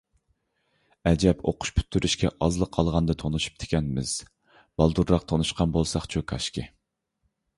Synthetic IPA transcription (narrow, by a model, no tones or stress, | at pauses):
ɛd͡ʒɛpʰo̰qʰʊ̥ʃpʰy̥t̪ʰːyɾʔyʃkʲɛʔɑzlˠəqʰːɑlˠʁɑnd̪ɨt̪ʰonuʃu̥p̚t̪ʰɪ̥kʲɛnmɪz̥ | b̥ɑlˠd̪uɾɾɑq̚t̪ʰonuʃqʰɑnbolˠsɑχt͡ʃʰukʰɑʃkʲɪ